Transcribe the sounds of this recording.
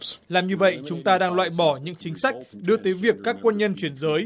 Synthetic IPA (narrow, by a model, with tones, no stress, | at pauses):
laː˨˩mɲɨ˧və̰˧˨jt͡ɕʊ˨˦ŋ͡mt̪aː˧ɗaː˧ŋlwa̰ː˧˨jɓɔ˧˩ɲɨ̰˧˥ŋt͡ɕï˨˦ŋ̟sa˦˥jk̟̚ɗɨ˧ət̪əː˨˦jvi˨˩əkːaː˦˥kːwə˧nɲə˧nt͡ɕwi˧˩ənzəː˨˦j